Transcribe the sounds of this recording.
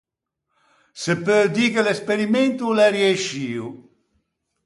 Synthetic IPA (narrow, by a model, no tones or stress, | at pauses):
sepːød̪iːkelespeɾiment̪ulɛrjeʃiːu